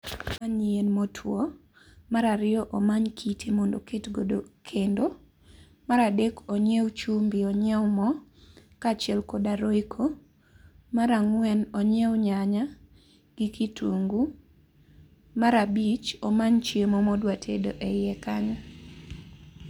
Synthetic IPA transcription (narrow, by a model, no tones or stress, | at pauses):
maɲienmotʰwɔ | maɾaɾɪɔʔɔmaɲkʰitʰemɔndoketɡodokʰendo | maɾadekɔɲɛwt͡ʃumbiɔɲɛmɔkat͡ʃɪɛlkodaɾoikʰo | maɾaŋwɛnɔɲɛwɲaɲa | ɡ̥ikʰitʰuŋɡu | maɾabit͡ʃɔmaɲt͡ʃemɔmɔdwatʰḛdo̰ʔɛjɛkaɲɔ